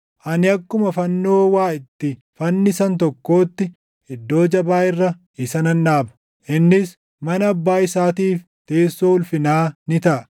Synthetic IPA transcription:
ʔɐnɪɐkːʊmɐfɐnːoːwaːɪt̪ːɪ | fɐnːɪsɐnt̪̬ɔkːo̞ːt̪ːɪ | ɪd̪ːo̞ːd͡ʒɐbaːɪrːɐ | ɪsɐnɐnːaːbɐ̥ | ʔɪnːɪs | mɐnɐːbːaːɪsaːt̪iːf | t̪e̞ːsːoːʊlfɪnaːnɪt̪ɐʔɐ

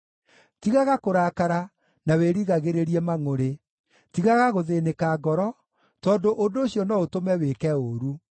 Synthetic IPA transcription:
tiɣaɣakoɾaːkaɾa | naweɾiɣaɣeɾeɾiɛmaŋoɾe | tiɣaɣaɣoðenekaːɡɔɾɔ | tɔːndoʔondoːɕiɔnɔotomɛwekɛoɾu

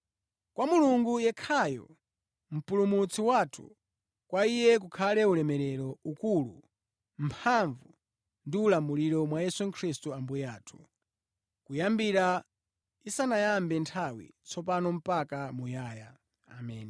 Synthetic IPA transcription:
kwamuluŋɡujɛkʰajɔ̰ | m̩pulumut͡sʰiwatʰṵ | kwaijɛk̬ukʰalɛulɛmɛɾɛɾɔukulṵ | m̩pʰaɱvu | ndiulamuliɾɔmwajɛsuŋkʰɾistuambujaːtʰu̥ | kujambiɾa | isanajambɛntʰawḭt͡sʰɔp̬anɔm̩pakamujaːja | amɛːni

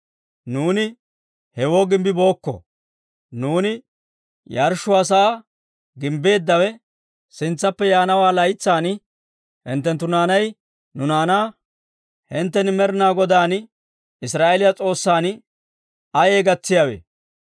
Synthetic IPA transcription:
nuːnɪ | hɛwoːɡɪmbɪbo̞ːkːɔ̰ | nuːnɪ | jaɾʃʊɐs̬ɐː | ɡɪmbe̞ːd̪ːɐwɛ | sɪnt͡sːɐpːɛjaːnɐwaːlɐjt͡sːaːn | hɪ̰nt̪ːɛnt̪ːʊnaːnɐj | nʊnaːnaː | hɪnt̪ːɛnmɛɾɪnaːɡɔd̪aːn | ɪsɾaːʔelɪjɐt͡sʼo̞ːsːaːn | ɐje̞ːɡɐt͡sːɪjawḛː

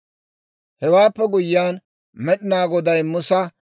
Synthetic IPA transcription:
hɛwaːpːɛɡʊjɪːaːn | mɛɗɪnaːɡɔd̪ɐjmʊsɐ

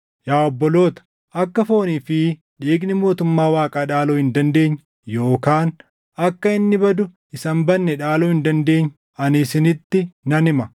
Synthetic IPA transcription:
jaːɔbːɔlo̞ːt̪ɐ̥ | ʔɐkːɐfo̞ːniːfɪ | ᶑiːɡnɪmo̞ːt̪ʊmːaːwaːkʼaːᶑaːloːhɪnd̪ɐnd̪e̞ːɲː | jo̞ːkaːn | ɐkːɐɪnːɪbɐd̪ʊ | ɪsɐmbɐnːɛᶑaːloːhɪnd̪ɐnd̪e̞ːɲː | ɐnɪsɪnɪt̪ːɪnɐnɪmɐ

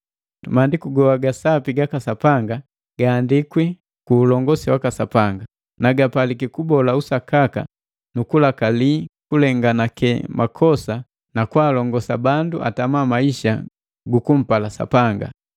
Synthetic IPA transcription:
maːndikuɡɔwaɡasapiɡakasapaŋɡa | ɡ̥aːndikwi | kuːlɔŋɡɔsiwakasapaŋɡa | naɡapalikikubɔlausakaka̰ | nukulakalikulɛŋɡanakɛmʔakʰɔsa | nakwaːlɔŋɡɔsabanduʔa̰tamamaiʃa̰ | ɡukum̩palasa̰paŋɡa̰

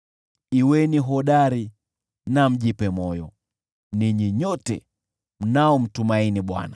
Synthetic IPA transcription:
iwɛniɦɔɗaɾi | nam̩ʄipɛmɔjɔ | niɲiɲɔtɛ̰ | m̩naɔm̩tumainiɓwa̰na

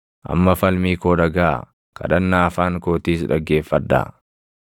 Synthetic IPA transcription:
ʔɐ̰mːɐfɐlmiːkoːᶑɐɡa̰ː | kʰɐ̰ᶑɐnːaːɐfaːŋkoːt̪iːsᶑɐɡːe̞ːfːɐd̪ːa̰ː

